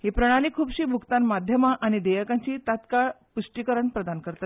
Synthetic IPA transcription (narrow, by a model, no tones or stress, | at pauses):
ɦipɾəɽ̃aliːkʰuːbɕiːbʱukt̪anmad̪ʱjəmaʔaɽ̃id̪ejəkãɲt͡ɕiːt̪at̪kaɭ | puʂʈikəɾəɳpɾəd̪ankəɾt̪at̪